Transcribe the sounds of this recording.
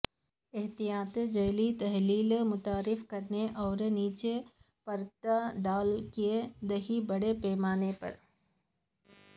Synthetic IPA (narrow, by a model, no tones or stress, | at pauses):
ɪɦt̪ijaːt̪d͡ʒɐːlit̪ɐɦliːlmʊt̪aːɾɪfkɐɾneʔɔːɾniːt͡ʃe | pɐɾt̪aɖaːlkied̪ɐɦibɐɽepɛːmaːnepɐ̰ɾ